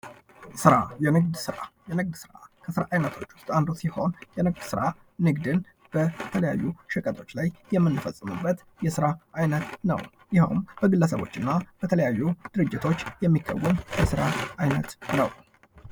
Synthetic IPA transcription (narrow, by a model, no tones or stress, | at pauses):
sɨɾajɛnɨɡd̪sɨɾa̰jɛnɨɡ̚d̪sɨɾa̰kʰəsɨɾaʔajnət̪ʰo̞t͡ʃːwʊ̥st̪ʼand̪osiho̞̰njɛnɨɡd̪sɨɾa | nɨɡd̪ɨn | b̥ət̪ʰələja̰jːuʃɨkʼət̪ʰʼo̞t͡ʃːlajjɛmːɨnːɨfəsʼːɨmɨ̰bːət̪ | jɛsɨɾaʔajnət̪nə̰w | jɪhumb̥əɡɨlːəsə̰βo̞̰t͡ʃːɨnːab̥ət̪ʰələjajːud̪̥ɨɾɨd͡ʒːɪt̪ʰo̞t͡ʃːjɛmːikʰːə̰wːəmjɛsɨɾaʔajnət̪nəw